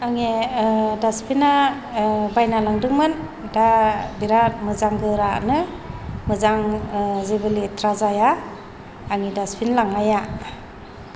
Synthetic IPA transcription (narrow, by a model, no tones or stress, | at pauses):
aŋedaspʰina | bajnalaŋdɯŋmɯn | dabiɾat̚mɯzaŋɡɯɾa̰nɯ | mɯzaŋzebɯlitʰɾazajaː | ŋidaspʰinlaŋaja